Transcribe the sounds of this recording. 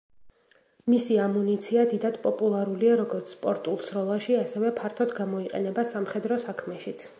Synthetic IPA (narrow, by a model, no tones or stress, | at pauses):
misiamunit̪sʰiad̪id̪ad̪pʼɔpʼulˠaɾuliaɾɔɡɔɾt̪sʰspʼɔɾt̪ʼulˠsɾɔlˠaʃiasɛvɛpʰaɾt̪ʰɔd̪ɡamɔiqʼɛ̰nɛbasamχɛd̪ɾɔsakʰmɛʃit̪sʰ